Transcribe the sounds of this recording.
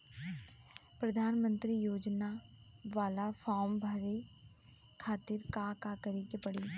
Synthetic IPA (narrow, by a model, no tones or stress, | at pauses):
pɾɐd̪ʱaːnmə̃nt̪ɾijoːd͡ʒna | ʋaːlafʰɔːmbʱɐɾe | kʰaːt̪ɪɾkakakɐɾekepɐɽi